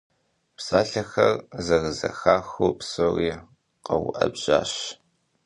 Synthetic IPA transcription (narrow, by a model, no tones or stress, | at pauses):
psaːɬɐxɐrzɐɣɨzɐxaːxuːpsoːriː | qɐwʊ̰ʔɐbʑ̥a̰ːɕ